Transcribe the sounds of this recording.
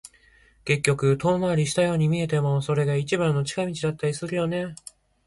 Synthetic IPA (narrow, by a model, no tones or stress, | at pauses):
ke̞kʲːo̞kɯ̟t̪o̞ːmaɾʲiɕi̥t̪ajo̞ːɲ̟imʲie̞t̪e̞mo̞so̞ɾe̞ɡait͡ɕibãnːo̞t͡ɕi̥kamʲit͡ɕid̪at̪ːaɾʲisɨɾɯ̟jo̞ne̞